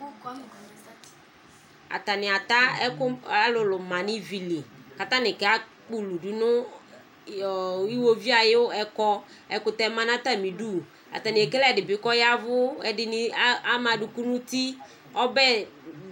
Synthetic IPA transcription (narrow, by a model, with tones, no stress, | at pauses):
a̰˨t̪a˨nɪ˨a˨t̪a˦ɛ˦kʊ˦a˦lʊ˨lʊ˨mã˨nɪ˦vi˨li˨ka˨t̪ã˦nɪ̃˨kɛ˨˦a˦ | k͡pu˦lu˨du˨nʊ̃˦˨ | i˦wo˦vi˦a˨jɪ˦ʊ˦ɛ˨kɔ˦ | ɛ˨kʊ˨t̪ɛ˦mã˦n˦a˦t̪a˨mĩ˨du˦ | a̰˨t̪a˨nɪ̃˨ɛ˨kɛ˦lɛ˦˨dɪ˨bɪ˨kɔ˦ja˦vʊ˦ɛ˨dɪ˨n˦a˦mã˨du˨ku˦nʊ̃˦t̪i˦ | ɔ˦bɛ˦